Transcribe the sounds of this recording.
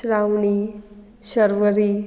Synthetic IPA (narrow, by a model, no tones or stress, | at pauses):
ɾawɳi | ɕəɾʋəɾi